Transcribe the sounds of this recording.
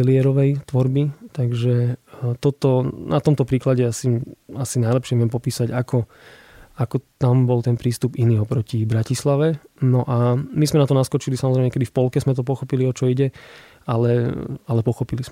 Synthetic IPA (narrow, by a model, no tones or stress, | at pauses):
ɛlɪɛɾɔʋɛjt̪ʋɔɾbit̪aɡʒɛt̪ɔt̪ɔnʔat̪ɔmt̪ɔpɾiːklaɟɛasiasinaɪlɛpʃɪɛʋɪɛmpɔpiːsaɟakʰɔ | akɔt̪ambɔlt̪ɛnpɾiːst̪upiniːɔpɾɔcibɾacislaʋɛnɔʔamizmɛnat̪ɔnaskɔt͡ʃilisamɔzɾɛɪmɛɲɛkɛd̪ifpɔlkɛzmɛt̪̬ɔpɔxɔpiliɔt͡ʃɔiɟɛ | alɛalɛpɔxɔpiliz